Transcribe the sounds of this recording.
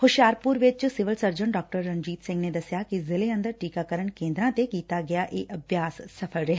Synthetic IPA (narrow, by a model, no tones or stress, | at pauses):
hʊʃjaːɾpʊɾʋɪt͡ʃsɪʋəlsəɾd͡ʒəɳɖaːk̚ʈəɾːə̃nd͡ʒiːt̪sɪ̃ŋɡned̪ɐsjakizɪleə̃nd̪əɾʈiːkakəɾəɳkẽːnd̪ɾãːt̪ekiːt̪aɡɐjaʔeːʔɐbʱjaːsːɐpʰəlɾɛɦ